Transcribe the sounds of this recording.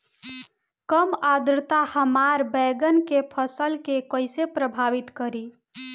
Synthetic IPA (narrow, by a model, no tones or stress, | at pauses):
kəmad̪ɾət̪ahəmaɾbɛɡənkepʰəsəlkekəjsepɾəbʱaʋit̪kəɾi